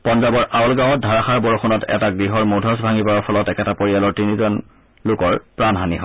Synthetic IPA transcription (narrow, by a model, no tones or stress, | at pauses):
pɔnzabɔɹʔaɔlɡãw̃ɔdʱaɹaxaɹbɔɹɔxunɔtɛ̰taɡɹiɦɔɹmodʱɔs̬bʱaŋipaɹaɹpʰɔlɔtɛkɛtapoɹijalɔɹtinizɔn | lʊkɔɹpɹanɦaniɦɔ